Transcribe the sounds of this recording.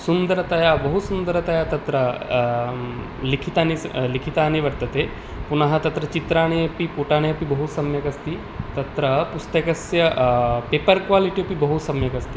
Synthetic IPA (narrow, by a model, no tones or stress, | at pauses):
sund̪əɾɐt̪ɐjabɐɦut̪sund̪əɾɐt̪ɐjat̪ɐt̪ɾɐ | likʰit̪anilikʰit̪aːniʋɐɾt̪ɐt̪e | punɐɦɐt̪ɐt̪ɾɐt͡ʃit̪ɾaːɽ̃ejɐpipuʈaːɽ̃ejɐpibɐɦut̪sɐmjɐkɐst̪i | t̪ɐt̪ɾɐpust̪ɐkɐsjɐpeːpɐɾkʋaːliʈiɐpibɐɦut̪sɐmjɐkɐst̪i